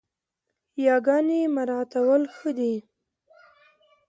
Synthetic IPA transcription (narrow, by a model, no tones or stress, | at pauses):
jɑɡɑnemaɾɑt̪awəlxəd̪i